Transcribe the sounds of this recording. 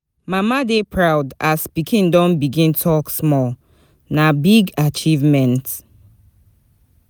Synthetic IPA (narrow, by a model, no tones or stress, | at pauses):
mamadepʰɹaʊdaspikʰĩndɔ̃nbiɡĩntʰɔksmɔl | nabiɡat͡ʃivmɛ̃nt